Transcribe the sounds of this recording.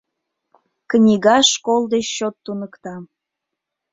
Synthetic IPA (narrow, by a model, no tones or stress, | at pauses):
knʲiɣɑʃkolˠd̪et͡ɕːot̪ːunəkt̪ɑ